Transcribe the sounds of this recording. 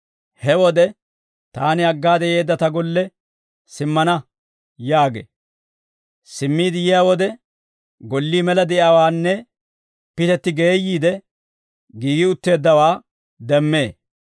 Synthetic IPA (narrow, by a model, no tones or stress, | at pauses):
hɛwɔd̪ɛ | t̪aːnɪɐɡːaːd̪ɛje̞ːd̪ːɐt̪ɐɡɔlːɛ | sɪmːɐnɐ | jaːɡḛː | sɪmːiːd̪ɪjɪjawɔd̪ɛ | ɡɔlːiːmɛlɐd̪ɛʔawaːnːɛ | pɪt̪ɛt̪ːɪɡeːjːiːd̪ɛ | ɡiːɡɪʊt̪ːe̞ːd̪ːɐwaː | d̪ɛmːe̞ː